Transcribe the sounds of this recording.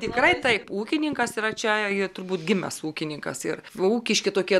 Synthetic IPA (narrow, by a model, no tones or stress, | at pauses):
t̪ʲɪkrɐɪt̪ɐɪpuːkʲɪnʲɪŋkɐsiːɾɐt͡ʃʲɛɪt̪ʊrbuːt̪ɡʲɪmʲɛ̰suːkʲɪnʲɪŋkɐ̰sɪruːkʲɪʃʲkʲɪt̪oːkʲiɛ